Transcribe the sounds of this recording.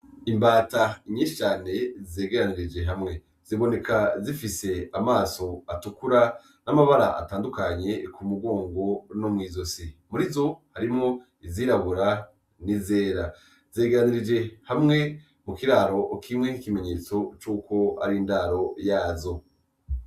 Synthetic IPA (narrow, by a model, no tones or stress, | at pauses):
imbaːtaiɲiːʃi̥t͡ʃaːne̞zeːɡeɾaniɾid͡ʒe̞ɦamŋe̞ | z̥iβo̞ne̞kazifise̞amaːso̞atukuɾa | namaβaɾa̰ʔa̰taːndukaɲe̞kumuɡo̞ːŋɡo̞nomŋiːzo̞simuɾizo̞haɾimŋo̞ | iziɾaβuɾa | nize̞ːɾa | zeːɡeɾaniɾid͡ʒe̞hamŋe̞ | mukiɾaːɾo̞kʰimŋe̞nikime̞ɲe̞ːt͡so̞t͡ʃuːko̞a̰ɾindaːɾo̞jaːzo̞